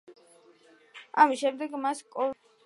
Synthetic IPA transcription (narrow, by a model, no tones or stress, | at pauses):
amisʃɛmd̪ɛɡmaskʼɔ